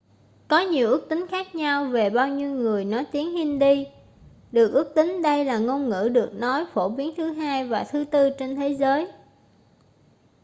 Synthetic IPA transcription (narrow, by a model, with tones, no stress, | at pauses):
kɔ˨˦ɲi˨˩əwʔɨ˦˥k̚t̪ï˨˦ŋ̟xaː˦˥k̚ɲa˧wve˨˩ɓaː˧wɲi˧wŋɨ˨˩əjnɔ˨˦jt̪i˨˦ənhi˧nɗi˧ | ɗɨ˨˩ək̚ʔɨ˦˥ək̚t̪ï˨˦ŋ̟ɗə˧jlaː˨˩ŋo˧nŋɨ̰˧˥˩ɗɨ˨˩ək̚nɔ˨˦jfo˧˩ɓi˨˦ənt̪ʰɨ˨˦ɦaː˧jvaː˨˩t̪ʰɨ˨˦t̪ɨ˧t͡ɕe˧nt̪ʰe˨˦zəː˨˦j